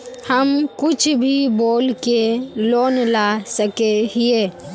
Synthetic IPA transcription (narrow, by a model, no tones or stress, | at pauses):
həmkʊt͡ʃʰbʱiboːlkeloːnlasəkeɦieː